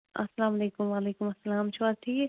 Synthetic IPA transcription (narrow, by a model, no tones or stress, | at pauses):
ɐ̰sːɐlaːmɐleːkʊmʋaːleːkʊmɐsːɐlaːmt͡ʃʰʊaːd̪̚ʈʰiːke